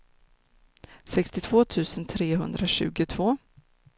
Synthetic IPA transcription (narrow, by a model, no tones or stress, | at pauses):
sɛkst̪ɪt̪ʰv̥oːt̪ʰʉ̟ːsənt̪ʰɾeːɦɵ̰nd̪ɾaɕʉ̟̰ːɡʊt̪ʰv̥oː